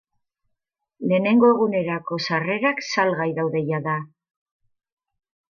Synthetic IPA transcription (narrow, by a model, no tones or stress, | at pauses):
le̞ːne̞ŋɡo̞e̞ɣune̞ɾako̞sare̞ɾaksalɣajðawðe̞jaða